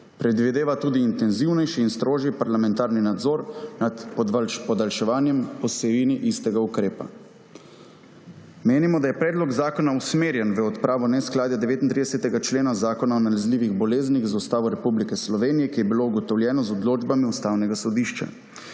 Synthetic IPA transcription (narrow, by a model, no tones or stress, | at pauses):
pɾɛd̪ʋid̪eːʋat̪uːd̪iːnt̪ɛnziwnɛjʃiːnst̪ɾoːʒipaɾlamɛ̃nt̪aːɾninad̪zɔɾnat̪pɔd̪pɔd̪alʃɛʋaːnjɛmpɔsɛiːniʔist̪ɛɡaukɾeːpa̰ | meːnimɔd̪ajɛpɾɛːd̪lɔkzaːkɔnausmeːɾjɛnʋəɔt̪pɾaːʋɔnɛsklaːd̪jad̪ɛʋeːt̪int̪ɾidɛsɛt̪ɛɡat͡ʃleːnazaːkɔnaɔnalazliːʋiɣbɔleːzniɣzust̪aːʋɔɾɛpublikɛslɔʋeːnijɛkijɛbilouɡɔt̪ɔwljɛːnɔzɔd̪loːd͡ʒbamiust̪awnɛɡasɔd̪iʃt͡ʃa̰